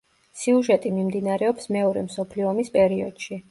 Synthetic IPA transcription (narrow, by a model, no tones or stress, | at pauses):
siuʒɛt̪ʼimimd̪inaɾɛɔpsmɛɔɾɛ̰msɔpʰliɔmispʼɛɾiɔd̪̥ʃi